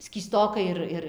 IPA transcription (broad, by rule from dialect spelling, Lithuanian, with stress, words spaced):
sʲkʲiːˈstoːkɐɪ ɪr ˈɪr